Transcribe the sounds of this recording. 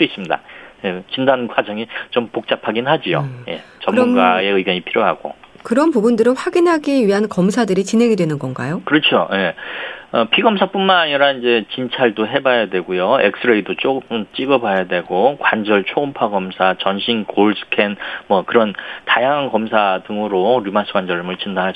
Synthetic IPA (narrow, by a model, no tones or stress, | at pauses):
s͈ois͈ɯmɲida̰jet͡ɕindannkwad͡ʑʌŋit͡ɕompok̚t͡ɕ͈apʰaɡinɦad͡ʑio̰je̞̰t͡ɕʌmmunɡae̞ɯiɡjʌɲipʰiɾjoɦaɡo̰ | kɯɾʌnpubundɯɾɯnɸwaɡinɦaɡiɥiɦankʌmsʰadɯɾit͡ɕinɦe̞ŋidwe̞nɯnɡʌnɡa̰jokɯɾʌt͡ɕʰoje̞ʌpʰiɡʌmsʰap͈unmanaɲiɾaind͡ʑe̞t͡ɕint͡ɕʰaɭdoɦe̞bajadwe̞ɡojoḛk̚s͈ʰɯɾeidot͡ɕ͈oɯmt͡ɕ͈iɡʌbajadwe̞ɡokwand͡ʑʌɭt͡ɕʰoumpʰaɡʌmsʰat͡ɕʌnɕʰinkoɭsʰɯ̥kʰe̞nmwʌkɯɾʌntajaŋɦankʌmsʰadɯŋɯɾoɾumasʰɯɡwand͡ʑʌɾmɯɭt͡ɕʰindaɦa